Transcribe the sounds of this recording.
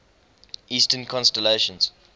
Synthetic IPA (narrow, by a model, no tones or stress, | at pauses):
ʔiːstənkʰɔ̃nstɛleʃə̃nz̥